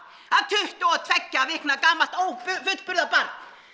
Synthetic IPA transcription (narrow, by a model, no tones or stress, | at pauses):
aðt̪ʰʏht̪ɔwaðt̪ʰvɛcːaːvɪhknakaːmal̥t̪oːwpʏfʏt̪pʏɾðapant̪